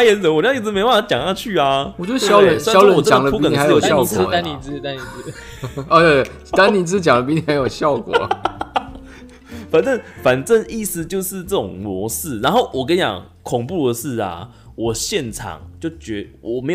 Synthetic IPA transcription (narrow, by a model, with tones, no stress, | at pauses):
a˥jɛ˧˦nsə˨˦wɔ˨˩t͡ɕi˥˩t͡s̩˧m˧ɪpa˥˩n˧˥˩t͡ɕjɑ̰˨ŋt̪a˥˧t͡ɕʰy˥˨a˧ɔ˨˩t͡ɕo˥˩jɑ˦ə˨˦n˥jɑ˦ʊlə˧˦˨ɔ˨˩˥t͡ɕɑ˨ŋlə˧pu˥i˥kə˨˩i˧˥˧jjo˨˩ɕjɑ˥˩ʊkwɔ̰˨˦a˥˦ni˨˩t͡sɹ̩˥t̪a˦ni˨˩t͡sɔ˧t̪we˥˧ | t̪a˦nni˨˩t͡sɹ̩˥t͡ɕjɑ˨˩ŋlə˩p̬i˧˥ni˧˩a˧˦ɪjo˨˩ɕjɑ˥˨ʊkwɔ˨˩˦ | fa˨nʈ͡ʂə˥˩ŋfa˨˩nʈ͡ʂə˥˧ŋi˥˩sɹ̩˧t͡ɕjo˥˧ʊʂɻ̩˥˧ʈ͡ʂə˥˩ʈ͡ʂʊ̰˨˩ŋmwɔ̰˧˥sɹ̩˥˩na˧˦nxo˥˩ʊwʔɔ˨˩ka˥njɑ̰˨˩ŋ | kʰʊ˨˩ŋpu˥˨də˩ʂ̩˥˩ɐ̰˩ | wʔɔ˨˩ɕjɛ˥˨nʈ͡ʂʰɑ̰˨˩ŋt͡ɕjo˥˩ʊt͡ɕɥɛ˧˥wɔ˨˩me˧˥ɪ